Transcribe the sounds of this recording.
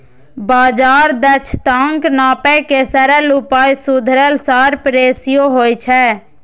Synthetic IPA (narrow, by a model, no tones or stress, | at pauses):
baːd͡ʒaːɾd̪ət͡ʃʰt̪ãːŋknaːpɛkesəɾəlʊpaːisʊd̪ʱɾəlsaːɾpəɾeːsɪjoɦoːit͡ʃʰɛː